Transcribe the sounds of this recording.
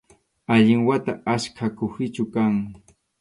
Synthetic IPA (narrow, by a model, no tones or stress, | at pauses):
aʎɪŋwat̪aaskʰakʊxɪt͡ʃʊkaŋ